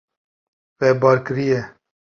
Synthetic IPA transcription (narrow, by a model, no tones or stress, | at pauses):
vɛbɑːɾkɨɾijɛ